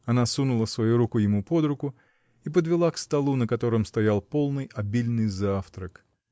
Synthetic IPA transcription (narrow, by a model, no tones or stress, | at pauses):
ɐnasunʊlˠəsvɐjuɾukʊjɪmupo̞d̪ɾʊkʊ | ipəd̪vʲɪlˠakst̪ɐlˠunəkɐt̪o̞ɾɨmst̪ɐjalˠpo̞lˠnɨjɐbʲilʲnɨjzaft̪ɾək